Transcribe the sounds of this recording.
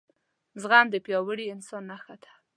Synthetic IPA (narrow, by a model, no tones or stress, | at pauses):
zɣand̪əpjɑwəɽiɪnsɑnːaxat̪ḁ